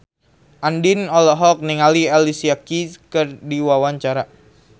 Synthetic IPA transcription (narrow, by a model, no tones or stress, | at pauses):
ʔandinɔlɔɦɔk̚niŋalialisiakikɨrdiwawaɲt͡ʃaɾa